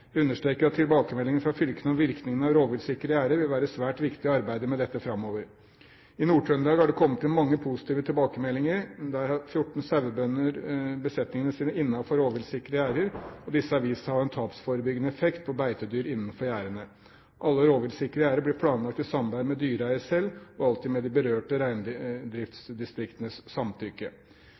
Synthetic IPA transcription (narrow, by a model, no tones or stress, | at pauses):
jæʉnːəʂʈɾeːkəɾɑt̪ʰːɪlbɑːkəmɛlːɪŋənfɾɑfʏlkənəɔʋɪɾknɪŋənəɑʋɾoːʋɪlsɪkəɾəæːɾəʋɪlʋæːɾəsʋæːʈʋɪkt̪ɪɑɾbæɪd̪əmɛd̪ɛt̪ːəfɾɑmːoːʋəɾ | ɪnuːʈʰœnd̪ɑːɡæɖɛkʰɔmːət̪ɛnmɑŋːəpʰʊsɪ̥t̪ʰiːʋət̪ʰɪlbɑːkəmɛlːɪŋəɾd̪æɾhɑɾfjʊʈːɳ̩sæʋəbœnːəɾbəsɛt̪nɪŋənəsiːnəɪnːɑfɔɾoːʋɪlsɪkəɾəæːɾəɾɔd̪ɪsːəɑʋiːsəhɑɾɛnt̪ʰɑːpsfoːɾəbʏɡənəɛfɛkt̪̚pʰɔbæɪt̪əd̪yːɾɪnːən̩fɔɾjæːɾəɳə | ʔɑlːəɾoːʋɪlsɪkɾəæːɾəblɪpʰlɑːnlɑk̚t̪ɪsɑmbæɪmɛd̪yːɾæɪəsɛlːɔɑlt̪ɪːmɛd̪ɪbəɾøːʈəɾæɪnd̪ɾɪft̪sd̪ɪst̪ɾɪkt̪ənəsːɑmt̪ʰʏkːə